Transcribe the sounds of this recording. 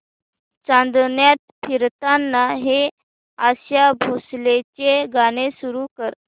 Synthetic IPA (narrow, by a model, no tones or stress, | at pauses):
t͡sãnd̪njat̪̚pʰiɾt̪anːaɦe | aɕjabʱoslet͡ɕeɡañesuɾukəɾ